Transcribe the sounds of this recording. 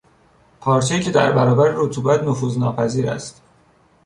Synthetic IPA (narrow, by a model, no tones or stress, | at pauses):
pʰɒːɾt͡ʃʰeiːcʰe̞d̪æ̰ɾbæɾɒːbæɾeɾut̪ʰuːbæt̪nofuːznɒːpʰæziːɾæ̰st̪